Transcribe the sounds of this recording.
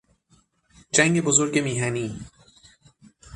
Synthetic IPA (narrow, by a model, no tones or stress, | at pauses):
d͡ʒæŋɡebozoɾɡemiːɦaniː